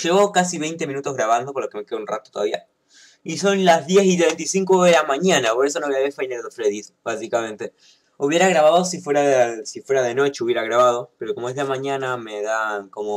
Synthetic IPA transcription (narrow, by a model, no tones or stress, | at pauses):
ʒeβo̞kasiβe̞jnt̪e̞mĩnut̪o̞zɣɾaβand̪okoɾlokeme̞keðunrat̪o̥t̪oða̰βia | iso̞nlazðje̞sit̪βent̪isiŋkoðelamaɲanapo̞ɾe̞s̬onoβojaβeɾfejneðofɾeðisbasikamẽnt̪e̞ | uβje̞ɾaɣɾaβaðosifweɾasifwe̞ɾaðeno̞t͡ʃeuβjeɾaɣ̞ɾaβað̞o̞pe̞ɾo̞komoezðeamãɲanameðanko̞mo